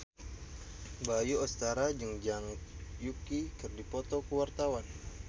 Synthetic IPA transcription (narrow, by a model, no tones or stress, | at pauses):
bajuɔst̪aɾad͡ʒəŋd͡ʒaŋjukikɨrdipɔt̪ɔkəwart̪awan